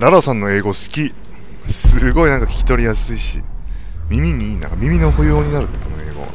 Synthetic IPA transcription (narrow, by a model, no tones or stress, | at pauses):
ɾaɾasãnːo̞e̞ːɡo̞sɨ̥kʲi | sɨɡo̞inãŋkakʲi̥kʲi̥t̪o̞ɾʲijasɨiɕḭ | mʲimʲiɲ̟iːnã̰ŋkamʲimʲino̞hojoːɲ̟inaɾɯ̟t̪ːkonoe̞ːɡo̞̰